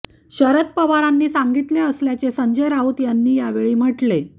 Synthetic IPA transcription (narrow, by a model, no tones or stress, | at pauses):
ɕəɾət̪̚pəʋaɾanːiːsaŋɡit̪leəsljat͡sesəɲd͡ʑəjɾaɦut̪janːiːjaʋeɭiːm̤əʈle